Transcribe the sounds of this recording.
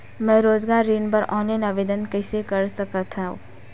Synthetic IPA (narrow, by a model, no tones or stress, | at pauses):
mɛ̃ːɾoːzɡaːɾːiːnpɐɾʔɔ̃ːnlanaʋeːd̪ənkəɪsekəɾsɐkət̪ɦaṵ̃